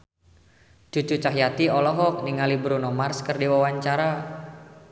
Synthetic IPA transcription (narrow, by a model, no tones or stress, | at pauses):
d͡ʒut͡ʃut͡ʃaɦjat̪iɔlɔɦɔk̚niŋalibɾunɔmarskərdiwawaɲt͡ʃaɾa